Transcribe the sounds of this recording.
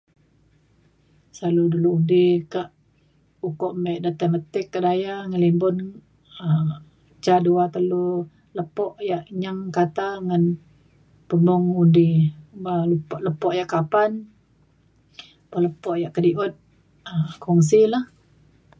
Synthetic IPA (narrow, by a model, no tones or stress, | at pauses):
saluduluudɪhkaʔ | ukɔʔmɛʔdət̪əmat̪ɪkːadajaŋəlimbʊn | ə | t͡ʃaduat̪əlu | ləpɔʔjaʔɲaŋkat̪aŋən | pəmɔŋudɪbalupɔʔləpɔʔjaʔkapan | baləpɔʔjaʔkədiʔut̪̚ | əkɔŋs̬ilah